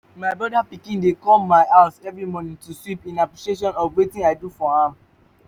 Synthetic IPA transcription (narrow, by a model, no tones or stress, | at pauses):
maɪbɹɔdapikĩndekɔmaɪʔaʊsɛvɹimɔnĩŋtuswipĩnapɹiʃieʃ̬ɔ̃nɔvwetĩaɪdufɔhã